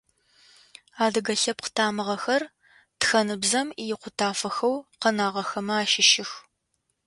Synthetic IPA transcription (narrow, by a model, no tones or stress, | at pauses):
aːdɨɡɐɬɐp̚qʰə̥tʰaːmɨʁɐxɐr | txɐnɨbzɐmijɪqʷʊtʰaːfɐxɐwqənaːʁɐxɐmɐaːʃɪʃɪx